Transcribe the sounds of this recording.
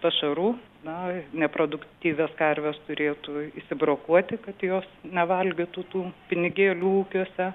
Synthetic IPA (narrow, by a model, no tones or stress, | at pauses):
pɐʃɐɾuː | nɐnʲɛpɾoːd̪ʊkt̪ʲiːʋʲɛskɐrʲʋʲɛst̪ʊɾʲeːt̪uiʃsʲɪbɾoːkuɔt̪ʲɪkɐt̪joːsnʲɛʋɐlʲɡʲɪt̪uːt̪uːpʲɪnʲɪɡʲeːlʲuːuːkʲuɔsʲɛ